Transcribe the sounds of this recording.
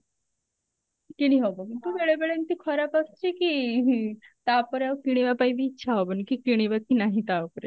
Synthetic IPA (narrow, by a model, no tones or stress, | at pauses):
kiɽiɦobəɡt̪uʋeɭebeɭent̪iːkʰɔɾapast͡ɕiki | t̪apəɾaʋkiɽ̃iʋapaibiːtːɕʰaɦobənkikiɽ̃iʋakinaɦit̪aʋpɾe